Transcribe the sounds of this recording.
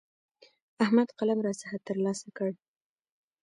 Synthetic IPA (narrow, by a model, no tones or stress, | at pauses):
ahmad̪qalamɾɑsahat̪ːəɾlɑsakəɽ